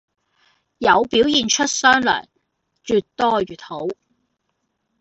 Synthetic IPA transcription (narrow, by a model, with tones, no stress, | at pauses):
jɐ˨˧wpiː˨˥wjiː˨nt͡ʃʰɵ˥t̚sœː˥ŋlœ̰ː˨˩ŋ | t͡ʃyː˨t̚t̪ɔː˥ɥyː˨˩t̚ho˨˥w